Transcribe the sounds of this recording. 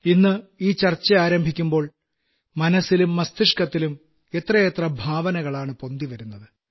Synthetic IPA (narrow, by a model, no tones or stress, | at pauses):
inːɨiːt͡ɕɐrt͡ɕːɐaːɾɐmbʱikʲːumbo̞ːɭ | mɐnɐsilumːɐst̪ʰiʂkɐt̪ːilum | e̞t̪rɐjet̪rɐbʱaːʋɐnɐɣɐɭaːɳɨpo̞nd̪iʋɐɾunːɐðɨ